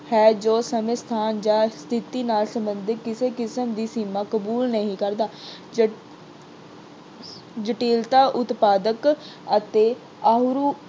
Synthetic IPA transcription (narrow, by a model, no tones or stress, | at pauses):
hɛːd͡ʒoːsəmeːst̪ʰaːnd͡ʒaːst̪ʰɪt̪iːnaːlsəmbənd̪ɪkːɪseːkɪsəmd̪iːsiːmãːkəbuːlnəɦĩːkəɾd̪aː | d͡ʒəʈiːlt̪aːʔʊt̪paːd̪əkət̪eː | aːɦʊɾuː